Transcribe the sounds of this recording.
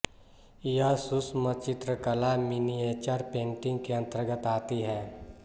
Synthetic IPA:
jəsʊsmət͡ʃɪt̪ɾəkəlaminieːt͡ʃəɾpẽːɳʈɪ̃ŋɡkeə̃nt̪əɾɡət̪aːt̪iɦɛː

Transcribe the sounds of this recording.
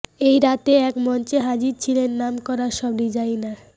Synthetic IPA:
ejɾat̪eɛkmɔnt͡ɕeɦad͡ʑiɾt͡ɕʰilenːamkɔɾaɾʃɔbɾid͡ʑajna

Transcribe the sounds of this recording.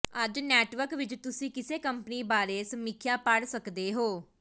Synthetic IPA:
əd͡ʒnɛːʈʋəɾkʋɪt͡ʃt̪ʊsĩːkɪseːkəmpəniːbaːɾeːsəmɪkʰjaːpəɽsəkd̪eːɦoː

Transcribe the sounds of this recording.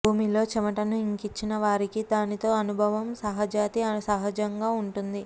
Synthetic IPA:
bʱuːmilo̞ːt͡ʃɐmɐʈɐnuiŋkit͡ʃːinɐʋaːɾikid̪aːnit̪o̞ːɐnubʱɐʋɐmsɐɦɐd͡ʒaːt̪iɐsɐɦɐd͡ʒɐŋɡaːuɳʈund̪i

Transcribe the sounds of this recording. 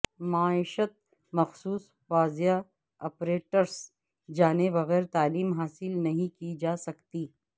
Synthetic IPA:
maːɪʃət̪̚ | mɐxsuːs | faːzeja | ɔːpɾeːʈəɾs | d͡ʒaːneʋɐɣɛːɾt̪aːliːmɦaːsɪlnɐɦĩkid͡ʒaːsɐkt̪iː

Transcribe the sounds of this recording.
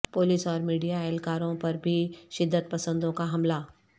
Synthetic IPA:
poːlɪsɔːɾmiːɖijaalkaːɾõpɐɾbʱiʃɪd̪ːət̪̚pɐsə̃nd̪õkaɦɐmlaː

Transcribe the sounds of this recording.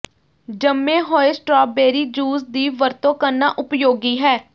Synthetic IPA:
d͡ʒəmːẽːɦoːesʈɾɔːbeːɾiːd͡ʒuːzd̪iːʋəɾt̪õːkəɾna̰ːʔʊpjoːɡiːɦɛː

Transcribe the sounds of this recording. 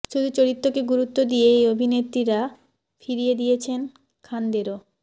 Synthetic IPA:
ʃud̪ʱut͡ɕoɾit̪ːokeɡuɾut̪ːod̪ieejobʱinet̪ːɾiɾa | fʰiɾijed̪ijet͡ɕʰen | kʰand̪eɾo

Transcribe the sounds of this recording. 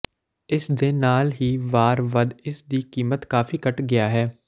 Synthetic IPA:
ɪsd̪eːnaːlɦiːʋaːɾʋəd̪ɪsd̪iːkiːmət̪kaːfʰiːkəʈɡɪjaːɦɛː

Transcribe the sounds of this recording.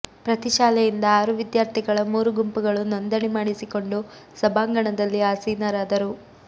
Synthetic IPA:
pɾɐt̪iʃaːlɛjind̪ɐaːɾuʋid̪jaːɾt̪ʰiɡɐɭɐmuːɾuɡumpuɡɐɭunond̪ɐɳimaːɽisiko̞ɳɖu | sɐbaːŋɡɐɳɐd̪ɐlːiaːsiːnɐɾaːd̪ɐɾu

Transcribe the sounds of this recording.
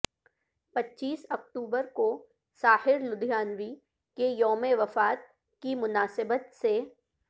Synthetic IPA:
pɐtːʃiːsɐk̚ʈuːbəɾko | saːhɪɾlʊd̪ʱjaːnʋi | kejɔːmeʋɐfaːt̪̚ | kimʊnaːsɪbət̪se

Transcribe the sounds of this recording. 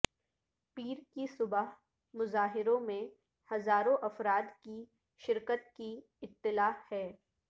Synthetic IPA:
piːɾkisʊbəɦ | mʊzaːɦɪɾõmẽ | hɐzaːɾõʔɐfɾaːd̪ki | ʃɪɾkət̪̚ki | ɪt̪ːɪlaːhɛː

